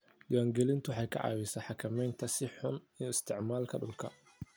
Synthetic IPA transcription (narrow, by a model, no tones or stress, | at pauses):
ɗɪwaːŋɡɛlɪnt̪ʰʊħɑjkʰɐ̰ʕɑ̰ːwɪsɐħɑkʰɐmɛjnt̪ʰɐsɪħʊnijɔɪst̪ʰɪʕmaːlkʰɐɗʊlkʰɐ